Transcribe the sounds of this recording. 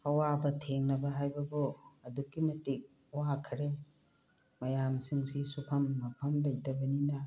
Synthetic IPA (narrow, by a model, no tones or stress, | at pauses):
ɐwabɐtʰeŋnɐbɐɦajbɐbuɐdukːimɐtik̚ | wakʰɾe | mɐjamsiŋsisupʰɐmːɐpʰɐmlɐjdɐbɐninɐ